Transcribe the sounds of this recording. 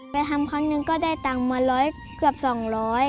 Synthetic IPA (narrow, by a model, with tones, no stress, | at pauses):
pa˧jt̪ʰa˧mkʰɔ˧˥˨nːɯ˧ŋkɔː˥˩daː˥˩jt̪aː˨˩ŋma˧lɔː˨˦˥j | kɯ˧˩əp̚sɔː˨˩ŋlɔː˦˥j